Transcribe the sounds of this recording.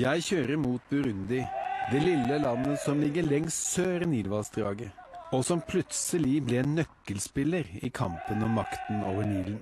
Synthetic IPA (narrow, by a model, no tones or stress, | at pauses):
jæɪçøːɾəɾmuːt̪̚bʉɾʉnd̪ɪd̪ɛlɪlːəlɑnːəsɔmlɪɡəɭɛŋssøːɾəniːlʋɑlsd̪ɾɑːɡəɔsɔmpʰlʉt̪səlɪblɛnːœkːəlspɪləɾɪ̰kʰɑ̰mpənɔmːɑkt̪n̩o̰ːʋəɳiːlən